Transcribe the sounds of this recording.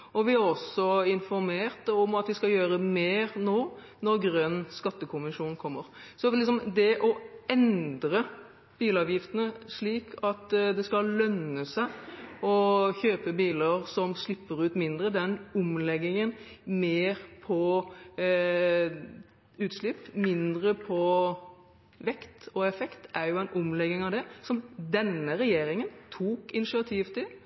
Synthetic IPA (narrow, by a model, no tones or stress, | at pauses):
ɔʋɪɑʁɔsɔɪnfɔɾmeːʁt̪ɔmɑt̪ʋɪskɑjøːɾəmeːɾnoː | nɔɾɡɾœnːskɑt̪ːəkʰʊnʋəʂuːnkʰɔmːəɾsɔlɪks̬ɔmd̪ɛʔɔɛnd̪ɾə | b̥iːlɑːʋjɪft̪ənəʂɭiːkʰɑt̪d̪ɛskɑlœnəsæɪɔçøːpəbiːləɾsɔmslɪpːəɾʉːt̪mɪnd̪ɾəd̪ɛnʊmlɛɡɪŋənmeːɾpʰɔ | ʉːt̪slɪpːmɪnd̪ɾəpʰɔ | ʋɛkt̪ɔɛfɛkt̪æɾjʊæɪnʔʊmlɛɡːɪŋɑʋd̪ɛsɔmd̪ɛnːəɾɛjeːɾɪŋənt̪ʰuːkɪnɪʂɪɑt̪ʰiːʋt̪ʰɪl